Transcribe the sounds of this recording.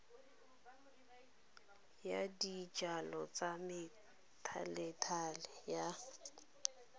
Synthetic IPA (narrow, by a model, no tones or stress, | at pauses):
jadit͡ʃʼalɔt͡samɪ | tʰa̰lɛtʰalɪja